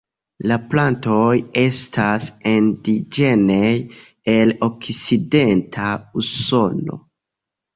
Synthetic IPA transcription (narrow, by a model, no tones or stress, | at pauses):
laplanto̞je̞stasendid͡ʒe̞nej | elo̞kside̞ntʰauso̞no̞̰